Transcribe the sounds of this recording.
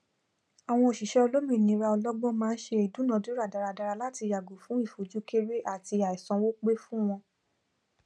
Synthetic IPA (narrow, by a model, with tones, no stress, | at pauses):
a˨w̃ɔ̃˧o˨ʃi˨ʃɛ˦o˧lo˦mĩ˦˨nĩ˨˦ɾa˧ɔ˧lɔ˦ɡ͡bɔ̃˦mãː˦n̩˦ʃe˧i˨dũ˨˦nã˨˦du˦ɾa˦˨da˧ɾa˧da˧ɾa˧la˦ti˧ja˨ɡo˨˦fũ˨˦i˦˨fo˨˦d͡ʒu˨˦ke˦ɾe˦ʔa˦˨ti˧a˨i˨sɔ̃˨˧wo˦k͡pe˦fũ˦w̃ɔ̃˧